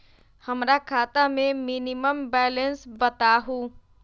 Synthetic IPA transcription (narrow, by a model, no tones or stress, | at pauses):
həmɾakʰaːt̪amẽminiməmbɛːlənsbət̪aɦu